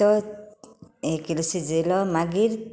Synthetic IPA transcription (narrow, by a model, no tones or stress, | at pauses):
ɔ | ekilsizelɔmaɡiɾ